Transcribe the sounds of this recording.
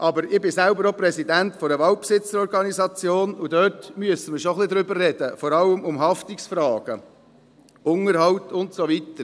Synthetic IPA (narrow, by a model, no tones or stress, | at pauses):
ʔɑbəɾɪbɪsælbəɾopɾɛsidæntfɔɾəʋɑlt̚psɪt͡səɾɔɾɡɑnizɑt͡sjoːnudœtmyəsəməɾʃoχlid̪ɾʏbərrɛdəfɔɾɑləmʊmɦɑftiksfɾɑːɡ̥ə | ʊŋəɾɦɑwtʊntsoʋitəɾ